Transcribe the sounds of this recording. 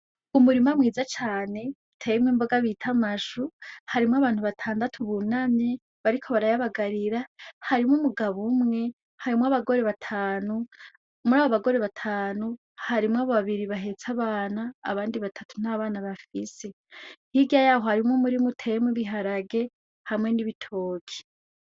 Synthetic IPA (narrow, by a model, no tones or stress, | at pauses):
umuɾimamŋiːzat͡ʃaːne̞utʰe̞jemweːmbo̞ɡaβiːtʰamaʃuhaɾimwaβaːnhuβatʰaːndatʰuβunamɲe | βaɾikʰo̞βaɾajaβaɡaɾiɾahaɾimŋumuɡaβumŋe̞ | haɾimwaβaɡo̞ɾe̞βatʰaːnu | muɾaːβoβaɡo̞ɾe̞βatʰaːnu | haɾimwaβoβaβiɾiβaɦe̞t͡saβaːnaːβaːndiβatʰḁtʰun̥aβaːnaβafise̞ | hiɡajaːɦohaɾimŋomuɾimutʰejemwiβiɦaɾaɡe̞ | hamŋe̞niβitʰo̞ːkʰi̥